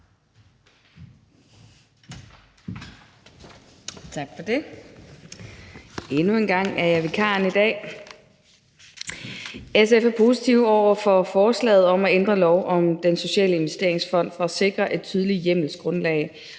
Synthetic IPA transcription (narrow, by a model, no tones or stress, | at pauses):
t͡sʰɑ̈ɡ̥fɒd̥e | e̝nue̝nɡ̥ɑ̈ŋ̰æɐjɑ̈ʋe̝kʰɑ̰̈ːnid̥ɛ̰ː | esefæɐpʰo̝ːsit͡sʰiʊɒʊ̰ɐfɒfɒːslɛ̰ːð̞̩ˠɒ̽mæend̥ʁɐlɒʊʔɒ̽md̥enso̝ɕɛ̰ːləe̝nʋesd̥e̝ɐ̰e̝ŋsfɒ̽n̰d̥fɒ̽æse̝ɡ̥ʁɐʔe̝d̥̚t͡sʰyːð̞ˠəlijem̰l̩ˠsɡ̥ʁɔ̽nlɛ̰ɪ